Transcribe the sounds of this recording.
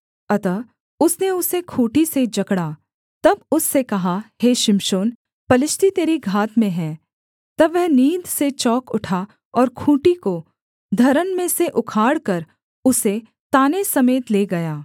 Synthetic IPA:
ɐt̪ə | ʊsneʊsekʰuːʈised͡ʒɐkɽaː | t̪ɐbʊsːekɐɦaheːʃɪmʃoːn | pɐlɪʃʈit̪eːɾiɡʱaːt̪mẽɦɛ̃ː | t̪ɐbːɛɦniːd̪ʱset͡ʃɔːkʊʈʰa | ɔːɾkʰũːʈiko | d̪ʱɐɾənmẽseʔʊkʰaːɽkɐɾ | ʊse | t̪aːnesɐmeːt̪leːɡɐjaː

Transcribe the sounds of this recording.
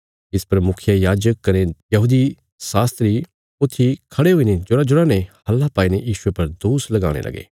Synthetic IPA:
ɪspɐɾmʊkʰjajaːd͡ʒəkːɐɾẽjɐɦuːd̪i | saːst̪ɾi | ʊt̪ʰːikʰɐɽeɦʊined͡ʒʊɽad͡ʒʊɽanẽhɐlːapaːinejiːʃʊepɐɾd̪oːslɐɡa̰ːɽ̃ḛlɐ̰ɡḛː

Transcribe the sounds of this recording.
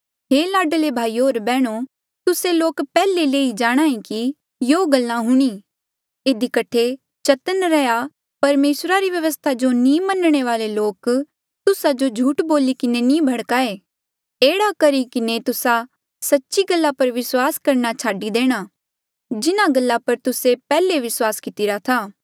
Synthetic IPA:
ɦeːlaːɖəlebʱaːiːoːɾbɛːɽ̃o | t̪ʊseloːkpɛːleleːid͡ʒaːɽ̃ãːĩki | joːɡɐlːãɦʊɽ̃i | ɪd̪ikɐʈʰe | t͡ʃɐt̪ənɾɛja | pɐɾmeːsɾaɾiʋjɐʋəst̪ʰad͡ʒonĩmɐnɽ̃eʋaːleloːk | t̪ʊsad͡ʒod͡ʒʱuːʈboːlikɪnenĩːbʱɐɽkaeː | eːɽakɐɾikɪnet̪ʊsa | sɐtːʃiɡəlːapɐɾʋɪswaːskɐɾnat͡ʃʰaːɖid̪eːɽ̃a | d͡ʒɪnãɡɐlːapɐɾt̪ʊsepɛːleʋɪswaːskɪt̪ɪɾat̪ʰaː

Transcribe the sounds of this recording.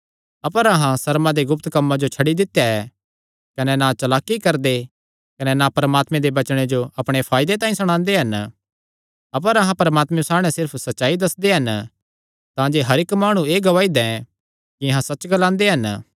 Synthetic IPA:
ɐpəɾɐɦãsɐɾmãd̪eɡʊp̚t̪kɐmːad͡ʒot͡ʃʰɐɽid̪ɪt̪ːejaɛ | kɐnɛnat͡ʃɐlaːkːikɐɾd̪e | kɐnɛnapɐɾəmaːt̪mẽd̪ebɐt͡ʃɽ̃ed͡ʒoɐpɽ̃epʰaːɪd̪et̪ãːĩsɐɽ̃ãːnd̪eɦɐn | ɐp̬əɾɐɦãpɐɾəmaːt̪mɛsaːɽ̃ɛ̃sɪɾpʰsɐtːʃaːid̪ɐsd̪eɦɐn | t̪ãd͡ʒeɦɐɾɪkmaːɽ̃ũeːɡɐʋaːid̪ɛ̃ | kiɐɦãsɐt͡ʃɡɐlãːnd̪eɦɐn

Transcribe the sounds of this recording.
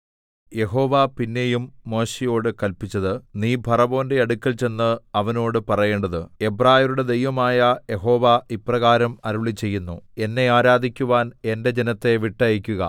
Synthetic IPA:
je̞ɦo̞ːʋapinːejumːo̞ːɕijo̞ːɽɨkɐlpit͡ɕːɐðɨniːbʱɐrɐbo̞ːnde̞ɐɽukʲːɐlt͡ɕe̞nːɨɐʋɐno̞ːɽɨpɐrɐje̞ːɳɖɐðɨebraːjɐɾuɽe̞d̪e̞jʋɐmaːjɐje̞ɦo̞ːʋaiprɐɣaːɾɐmɐɾuɭit͡ɕːe̞jːunːue̞nːe̞aːɾaːd̪ʱikʲːuʋaːne̞nde̞d͡ʑenɐt̪ːe̞ʋiʈːɐjikʲːuɣɐ̰

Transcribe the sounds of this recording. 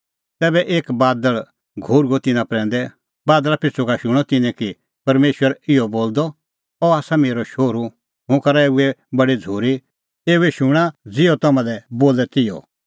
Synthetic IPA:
t̪ɛːbɛʔeːkbaːd̪əɭ | ɡʱoɾuɡot̪ɪnãpɾɛ̃ːn̆d̪ɛ | baːd̪əlapʰɪt͡sʰukaʃʊɽ̃ɔt̪ɪnɛ̃ki | pɐɾmeːʃwəɾɪjɔboːld̪ɔ | ɔaːsameːɾɔʃoːɾu | ɦʊ̃kɐɾaeːuɛbɐɽid͡zʱoːɾi | eːuɛʃʊɽ̃ad͡zɪɔt̪ɐmãlɛboːlɛt̪ɪjɔ̰

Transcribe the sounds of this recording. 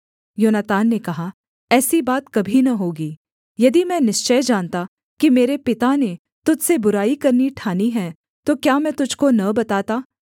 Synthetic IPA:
joːnət̪aːnːekɐɦa | ɛːsibaːt̪kɐbʱinɐɦoːɡiː | jɐd̪imɛ̃nɪʃt͡ʃəjd͡ʒaːnt̪a | kimeːɾepɪt̪ane | t̪ʊd͡ʒsebʊɾaːikɐɾniʈʰaːniɦɛ̃ː | t̪okjaːmɛ̃ːt̪ʊd͡ʒʱkonɐbɐt̪aːt̪aː

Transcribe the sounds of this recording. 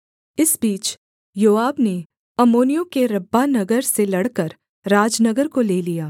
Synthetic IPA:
ɪsbiːt͡ʃ | joːaːbne | ɐmoːnijõkeɾɐbːanɐɡəɾselɐɽkəɾ | ɾaːd͡ʒnɐɡəɾkoleːlijaː

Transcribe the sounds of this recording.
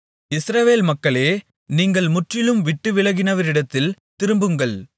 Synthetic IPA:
ɪsɾɐʋeːlmɐkːɐɭeː | niːŋɡɐɭmʊʈrɪlɯmʋɪʈːɯʋɪɭɐɣɪnɐʋɐɾɪɽɐt̪ːɪlt̪ɪɾɯmbɯŋɡɐɭ

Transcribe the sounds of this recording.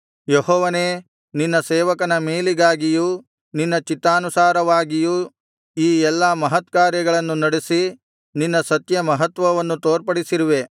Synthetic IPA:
jehɔːʋɐne̞ː | ninːɐsɛːʋɐkɐnɐmeːliɡaːɡiju | ninːɐt͡ʃit̪ːaːnusaːɾɐʋaːɡiju | iːɛlːaːmɐɦɐt̪kaːɾjɐɡɐɭɐnːunɐɽesi | ninːɐsɐt̪jɐmɐɦɐt̪ʋɐʋɐnːut̪oːɾpɐɽisiɾiʋe̞

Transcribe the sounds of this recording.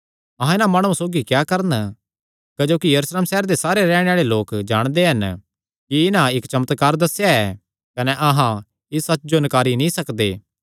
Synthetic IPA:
ɐɦãɪnãmaːɽ̃ũasoːɡikjaːkɐɾən | kɐd͡ʒoːkijɐɾuːsleːmsɛɦːɾd̪esaːɾeɾɛːɽ̃eaːɭeloːkd͡ʒaːɽ̃d̪eɦɐn | kiɪnãɪkt͡ʃɐmət̪kaːɾd̪ɐsːjaɛː | kɐnɛʔɐɦã | ɪsːɐt͡ʃːd͡ʒonkaːɾinĩsɐkd̪eː

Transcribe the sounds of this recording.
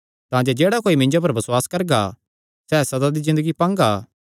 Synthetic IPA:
t̪ãːd͡ʒod͡ʒeːɽakoːimɪ̃nd͡ʒop̬ɐɾbɐswaːskɐɾɡa | sɛːsɐd̪ad̪izɪ̃nd̪əɡipãːŋɡaː

